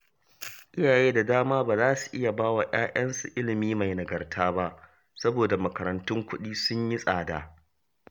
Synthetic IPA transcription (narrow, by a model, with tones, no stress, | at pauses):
ʔɪ˦jaː˨jeː˦da˨daː˦maː˦baː˨zaː˦su̥˨ʔɪ˦ja˨baː˦wa˨jʔaː˦ʔɐ˦nsu˨ʔɪ˦lɪ˨miː˦ma˨jnɐ˨ɡɐ˨rtʰaː˦ba˦ʔ | sɐ˦boː˨da˨mɐ˨kɐ˨ɾɐ˨ntʊ˦ŋkʷʊ˦ɗiː˦sʊ˦ɲji˦sʼaː˨daː˨